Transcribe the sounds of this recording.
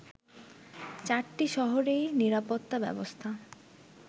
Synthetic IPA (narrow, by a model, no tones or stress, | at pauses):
t͡ɕaɾʈiʃɔɦoɾejniɾapot̪ːabɛ̰bost̪ʰa